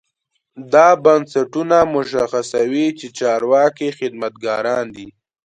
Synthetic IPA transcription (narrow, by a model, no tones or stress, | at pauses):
d̪ɑbansaʈunamʊʃ̬axasawit͡ʃet͡ʃɑɾwɑkixɪd̪mat̪̚ɡɑɾɑnd̪i